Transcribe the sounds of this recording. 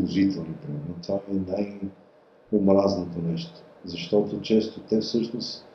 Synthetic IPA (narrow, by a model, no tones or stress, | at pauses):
oʒit̪ɛlˠnopɾimɛɾnot̪vamɛnaj | omɾaznot̪onɛʃt̪o̥zɐʃt̪ɔt̪ot͡ʃɛst̪ot̪ɛfsɤʃnos